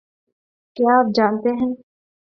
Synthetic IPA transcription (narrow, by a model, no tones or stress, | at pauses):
kjaap̚d͡ʒaːnt̪eɦɛ̃ː